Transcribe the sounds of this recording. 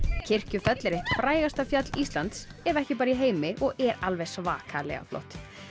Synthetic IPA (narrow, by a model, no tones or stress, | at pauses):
cʰɪr̥cʏfœt̪lɪɾɪhfɾaːjɣast̪afjœt̪list̪lant̪sɛɾvɛhcɪpaːɾaiɦeːjmɪʔɔɣʔɛɾalvɛ̥sva̰ːkʰalɛ̰ɣa̰flo̰wht̪